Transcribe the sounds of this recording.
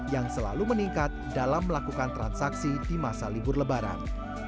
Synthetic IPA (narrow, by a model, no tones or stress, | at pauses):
jaŋsəla̰luməniŋkat̪̚dalamːəlakukant̪ɾansaksidimasalibʊrləbaɾa̰n